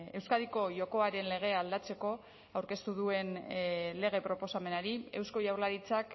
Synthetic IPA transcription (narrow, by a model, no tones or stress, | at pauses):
e̞wskaðiko̞ʝo̞ko̞aɾe̞nle̞ɣ̞e̞ald̪at͡se̞ko̞ | awɾke̞st̪uðue̞nle̞ɣ̞e̞pɾo̞po̞same̞naɾie̞wsko̞jawɾlaɾit͡sak